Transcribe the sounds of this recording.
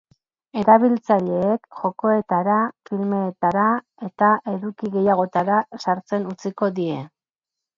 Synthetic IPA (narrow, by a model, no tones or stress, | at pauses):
e̞ɾaβ̞ilt͡saʎe̞ːkʝo̞ko̞e̞t̪aɾafilme̞ːt̪aɾa | e̞t̪aʔe̞ðukiɣe̞jaɣ̞o̞t̪aɾasaɾt͡se̞nut͡siko̞ðie̞